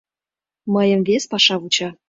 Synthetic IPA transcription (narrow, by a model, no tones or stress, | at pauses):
məjə̆mvespɑʃɑβut͡ɕɑ